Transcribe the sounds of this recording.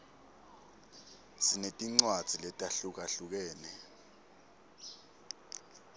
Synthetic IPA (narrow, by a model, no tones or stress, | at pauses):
sinetʼiŋ͡ǀwad̥z̥ʱilɛtʼaɬuk̬aɬuk̬ɛːnɛ